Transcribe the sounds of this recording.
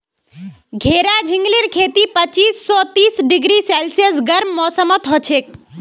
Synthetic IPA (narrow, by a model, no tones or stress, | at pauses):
ɡʱeɾad͡ʒʱiŋɡliɾkʰet̪ipət͡ʃiːsːɔt̪isɖiɡɾisɛlsəsɡəɾmːɔsəmət̪ɦɔt͡ʃʰek̚